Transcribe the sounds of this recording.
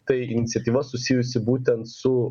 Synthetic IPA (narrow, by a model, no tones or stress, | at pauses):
t̪ɐɪɪnʲɪt̪sʲɛt̪ʲiːʋɐsʊsʲiːjʊsʲɪbuːt̪ʲɛnt̪sʊ